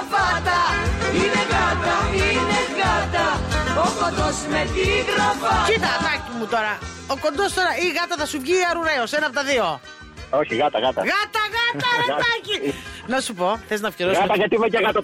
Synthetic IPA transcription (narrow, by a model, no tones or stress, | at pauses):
vat̪ɐineɣat̪ɐineɣɐt̪ɐofot̪osmet̪iɣɾɐvɐkit̪ɐt̪ɐcimut̪o̞ɾɐ | oko̞nd̪o̞st̪o̞ɾɐiɣɐt̪ɐθɐsuɲɟiɐɾuɾeosenɐpot̪ɐðio̞ | oçiɣɐt̪ɐɣɐt̪ɐ̰ɣɐt̪ɐɣɐɐɐɐcinɐsupo̞θeznɐfciɾosɐt̪ɐʝɐt̪imeceɣɐt̪ɐ